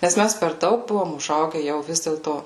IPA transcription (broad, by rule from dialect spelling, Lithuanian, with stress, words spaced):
nʲɛs ˈmʲæs pʲɛr ˈdɐʊk ˈbʊʋoːm ʊˈʒɐʊɡʲɛ ˈjɛʊ ˈʋʲɪs dʲeːlˠtoː